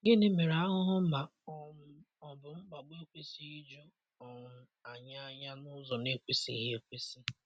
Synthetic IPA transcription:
ɡe˦ne˦me˨ɾa˨˦ɦʊ˦ɦʊ˦ma˨ɔ˦ | ɔ˨bʊ˨ŋ͡m̩˦ɡ͡ba˨ɡ͡bo˦kʷe˦si˦i˦d͡ʒu˦ | ɔ˨mʊ˨ | a˨ɲa˦ɲa˦nʊ˦zɔ˨ne˨kʷe˦sḭ˨ɦe˦kʷe˦si˦

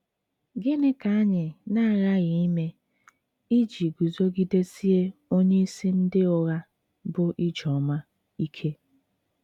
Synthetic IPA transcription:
ɡɪ˦nɪ˦ka˨a˦ɲɪ˨na˦a˨ɣa˦ɣɪ˨i˦me˦ | i˦d͡ʒi˨ɡu˨zo˦ɡi˦de˦si˦e˦o˦ɲe˦i˦si˦n̩˦dɪ˦ʊ˨ɣa˦ | bʊ˦ʔi˦d͡ʒɔ˨ma˦ | i˦kʰe˦

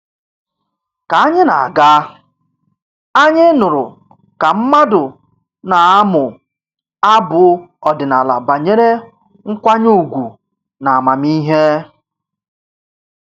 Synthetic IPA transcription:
ka˨a˦ɲɪ˦na˨a̰˨ɡa˦ | a˦ɲɪ˦nʊ˨ɾʊ˨ | ka˨m̩˦ma˦dʊ˨ | na˨a˦mʊ˨ | a˦bʊ˨ɔ˨dɪ˨na˨la̰˨ba˨ɲe˦ɾe˦ | ŋ̩˦kʷa˦ɲ˦u˨ɡʷu˨ | na˨a˨ma˨mi˦ɦe˦

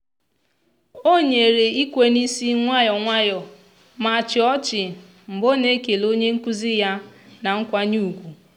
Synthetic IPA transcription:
o˦ɲe˨ɾe˨i˦kʷe˨ni˦si˦ŋʷa˦jɔ˨ŋʷa˦jɔ˨ | ma˨t͡ʃɪ˨ɔ˦t͡ʃɪ˨ | m̩˨bo˦ne˦ke˨lo˦ɲe˦ŋ̩˦ku˦zi˦ja˦na˨ŋ̩˦kʷa˦ɲu˦˨kʷu˨

